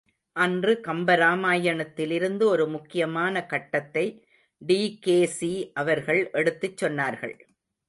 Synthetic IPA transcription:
ʔɐndrɯkɐmbɐɾaːmaːjɐɳɐt̪ːɪlɪɾɯnd̪ɯɔɾɯmʊkːɪjɐmaːnɐkɐʈːɐt̪ːɐɪ | ɖiːkeːsiʔɐʋɐɾɣɐɭʔɛɽɯt̪ːɯt͡ʃːɔnːaːɾɣɐ̰ɭ

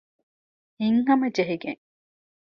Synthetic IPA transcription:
iŋɦɐmɐd͡ʒeɦiɡḛŋ

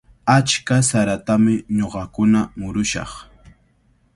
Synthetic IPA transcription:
at͡ʃkasaɾat̪amɪɲoɢɑkʊnamʊɾʊʃɑ̰χ

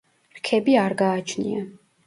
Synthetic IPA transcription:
ɾkʰɛbiaɾɡaːt͡ʃʰnḭa

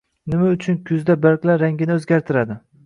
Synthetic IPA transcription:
nɪmaʊt͡ʃʰʊnkʲʰʊzd̪abaɾkʲlaɾaŋɡʲɪnɪɵzɡʲaɾt̪ʰɪɾad̪ɪ

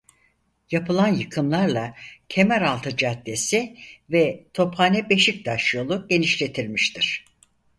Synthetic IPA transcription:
japʰɯlˠanjɯkʰɯmlˠaɾlˠacʰe̞mæɾalˠt̪ʰɯd͡ʒat̪ːe̞sivɛt̪ʰo̞phanɛbe̞ʃic̚d̪aʃjo̞lˠuɟ̥e̞niʃlʲe̞t̪ʰilʲmiʃt̪ʰiɾ̥

